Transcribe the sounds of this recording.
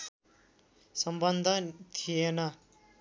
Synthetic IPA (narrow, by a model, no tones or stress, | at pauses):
sʌmbʌnd̪ʱʌt̪ʰijenʌ